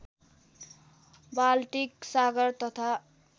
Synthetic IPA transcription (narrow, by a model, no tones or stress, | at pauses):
balʈiksaɡʌrt̪ʌt̪ʰa